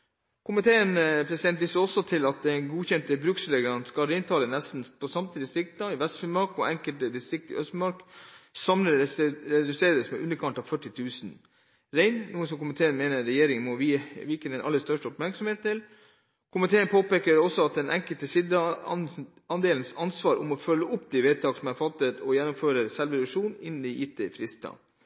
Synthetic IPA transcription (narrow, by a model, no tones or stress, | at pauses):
kʰʊmɪt̪ʰeːənpʰɾɛsɪd̪ɛnt̪̚dɪsəɔsːɔt̪ʰɪlɑt̪̚d̪ɛnɡuːçɛnt̪əbɾʉksleɡəənskɑlɾɛɪnt̪ʰɑːlənɛst̪n̩pʰɔsɑmt̪ʰɪd̪ɪst̪ɾɪk̚t̪ɑɪʋɛst̪fəmɑɾkɔʔɛŋkəlt̪əd̪ɪst̪ɾɪk̚t̪ɪ̰ʔœst̪mɑɾksɑmləɾɛd̪ʉseːɾəsmɛ̰ʔʉnːəɾkʰɑnt̪ɑʋfœʈːɪt̪ʰʉːsn | ɾɛɪnnuːəns̬ɔmkʊmɪt̪ʰeːənmeːnəːɛjeːɾɪŋənmɔʋʋɪkəɛnʔɑ̰lːəst̪œʂʈəɔpmæɾksɔmheːt̪̚t̪ʰɪl | kʰʊmɪt̪ʰeːənpʰoːpeːkəɾɔsːɔɑt̪̚d̪ɛnʔɛŋkəlt̪əsɪd̪ə | ɑnd̪eːln̩sɑnsʋɑːɾʔʊ̰mɔfœlːəʊpːd̪ɪʋeːt̪ʰɑːɡsɔmæɾfɑt̪ːət̪ɔjɛnːʊmføːɾəɾsɛlʋəɾʉʂuːnɪn̩ːɪʔiːt̪ʰːəɪfɾɪst̪ɑ̰